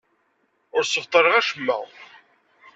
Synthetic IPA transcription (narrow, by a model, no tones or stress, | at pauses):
ʊɾsəft̪ˤəɾˤəʁæʃəmːæ̰